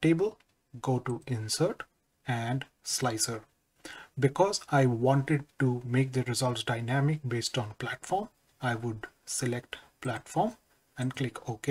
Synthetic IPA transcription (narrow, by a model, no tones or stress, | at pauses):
ʈeːbəl | ɡoːʈuɪ̃nsəɾʈ | ɛ̃ɳɖ | slaɪsəɾ | bɪkɔːzaɪʋɔ̃ːɳʈɪɖ̚ʈumeːk̚d̪əɾɪzʌltsɖaɪnæmɪk̚beːsʈɔ̃ːnplæʈfɔːɾm | aɪʋʊɖ | selekʈplæʈfɔːɾm | ɛ̃ɳɖklɪkʰoke